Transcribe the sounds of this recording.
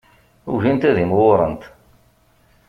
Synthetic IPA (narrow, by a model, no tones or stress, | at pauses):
ʊ̰ʝint̪æðimwʊɾˤənt̪